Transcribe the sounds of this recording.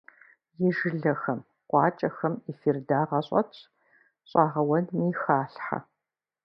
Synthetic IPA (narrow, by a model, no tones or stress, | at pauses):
jɪʒɪɮɐxɐm | qʷɑːt͡ʃʼɐxɐmifirdaːʁɐɕʼɐ̰tʰʼ | ɕʼɑːʁɐwɐdniːxaːɬħa̰